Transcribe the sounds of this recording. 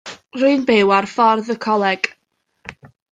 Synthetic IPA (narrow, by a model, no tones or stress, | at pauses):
ruɨnbewarfɔrðəkʰɔlˠɛɡ̥